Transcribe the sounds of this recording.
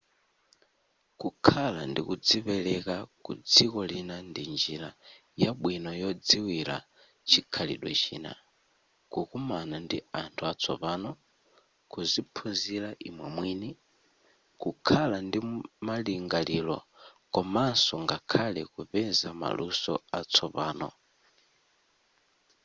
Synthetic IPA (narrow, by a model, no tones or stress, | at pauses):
kukʰalandḭkud͡zipɛlɛkakṵd͡zikɔlinandind͡ʒiɾa | jaɓwinɔjɔd͡ziwila̰ | t͡ʃikʰalḭɗwɛ̰t͡ʃḭːna̰ | kukumanandiantʰuat͡sʰɔ̰paːnɔ | kuzipʰunzilaʔimwɛmwiːni | kukʰalandimaliŋɡaliːlɔ̰kɔmansɔŋɡakʰalɛkupɛnzama̰lusɔ̰at͡sʰɔpaːnɔ̰